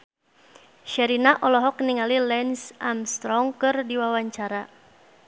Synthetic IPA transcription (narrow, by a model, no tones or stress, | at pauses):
ʃɛɾinaʔɔlɔɦɔkniŋalilɛnsʔamst̪ɾɔŋkɨrdiwawaɲt͡ʃaɾa